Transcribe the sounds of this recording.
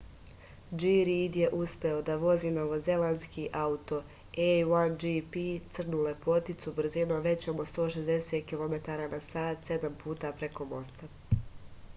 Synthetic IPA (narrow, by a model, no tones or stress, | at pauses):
d͡ʒiɾid̪je̞ʔuspe̞o̞d̪aʋo̞ziːno̞ʋo̞ze̞lanskiʔaut̪o̞ | ewand͡ʒipit̪sr̩nulepo̞t̪it̪subr̩zinoʋe̞t͡ɕo̞most̪o̞ːʃe̞zd̪e̞set̪̚kilˠo̞me̞t̪aːɾaːnasaːt̪se̞d̪ampuːt̪apɾe̞ko̞mo̞st̪a